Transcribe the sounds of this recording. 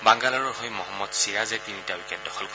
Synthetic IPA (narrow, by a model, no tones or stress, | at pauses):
baŋɡalaɹɔɹɦɔjmɔɦɔmːɔdsiɹazɛtinitawikɛdɔxɔlk